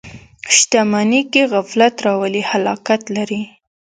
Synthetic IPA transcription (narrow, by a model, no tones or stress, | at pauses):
ʃt̪amanikeɣaflat̪ɾɑwəlihalɑkat̪laɾi